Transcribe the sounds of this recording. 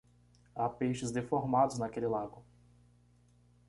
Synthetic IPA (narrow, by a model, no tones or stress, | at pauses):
apejʃɪzd̪efoɾmad̪ʊznakelɪlaɡʊ